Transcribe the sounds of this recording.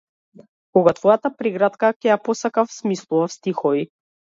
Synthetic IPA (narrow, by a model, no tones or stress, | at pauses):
kɔɡat̪vɔjat̪apɾiɡɾat̪kacʲɛjapɔsakafsmislˠuvafst̪ixɔvi